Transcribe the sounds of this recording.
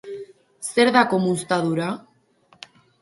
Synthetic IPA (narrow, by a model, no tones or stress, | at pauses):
seɾðakomust̪aðuɾa